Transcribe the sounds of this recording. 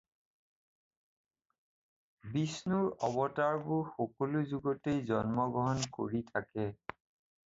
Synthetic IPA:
bisnuɹɔbɔtaɹbʊɹxokɔluzuɡotejzɔnmɔɡɹɔɦɔnko̰ɹitʰakɛ

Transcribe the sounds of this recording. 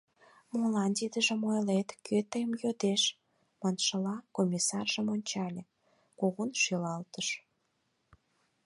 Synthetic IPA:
molɑnd̪id̪əʒə̆mojlet̪køt̪əjmjod̪eʃ | mɑnʃəlɑkomʲisɑrʒəmonʲt͡ɕɑlʲe | koɣonʃylɑlt̪əʃ

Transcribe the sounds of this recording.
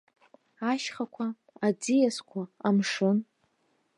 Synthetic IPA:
aʃχakʷʰa | ad͡zijaskʷʰaamʂɨn

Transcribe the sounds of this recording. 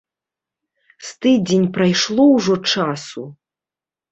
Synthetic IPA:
st̪ɨd͡zʲenʲpɾajʂlˠɔwʐɔt͡ʂasu

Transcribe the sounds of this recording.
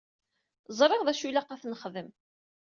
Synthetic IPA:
zˤɾˤeʁðæʃulæqæθnəχðəm

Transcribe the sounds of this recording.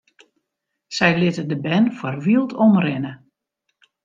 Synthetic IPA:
sɛjlɪtədəbɛnfɔrʋiəlˠtʰɔmrɪnə

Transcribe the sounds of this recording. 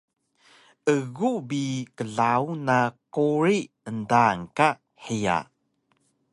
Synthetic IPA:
ʔəɣubikəɮawnaquɾi | əndaŋka | heja̰

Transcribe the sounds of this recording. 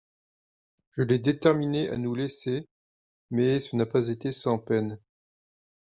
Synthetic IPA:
ʒ̥əlɛd̪et̪ɛʁmineʔa̰nulɛse | mɛsənapazet̪esɑ̃pɛn

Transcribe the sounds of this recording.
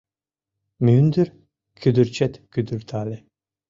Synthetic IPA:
myːnd̪yɾ | kʰyd̪yɾt͡ɕɛt̪kyd̪yɾt̪ʰaːlɛ

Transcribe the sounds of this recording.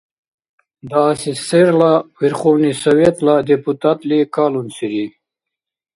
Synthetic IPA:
d̪aːsiseɾlawiɾχonisawet̪lad̪iput̪at̪likalunsiɾi

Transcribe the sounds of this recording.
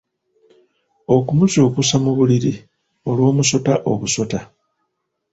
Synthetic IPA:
o̞kumuco̞ːkusamuβuliɾi | o̞lwo̞ːmuso̞taʔo̞̰βuso̞ta

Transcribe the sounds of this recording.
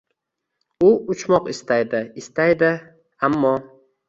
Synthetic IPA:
ʊʊt͡ʃmɒqɪst̪ajd̪ɪɪst̪ajd̪ɪ | amːɒ

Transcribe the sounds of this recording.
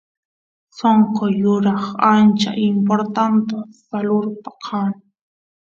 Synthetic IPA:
soɴqojʊɾɑχant͡ʃa̰ʔɪmpoɾt̪ant̪asalʊɾpḁqʰaːŋ

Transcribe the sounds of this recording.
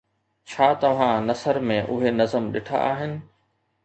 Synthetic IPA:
t͡ɕʰaːt̪ɐʋ̤ãnɐsəɾmẽʔʊɦenɐzəmɗɪʈʰa̰ʔaːɦɪnɪ̆

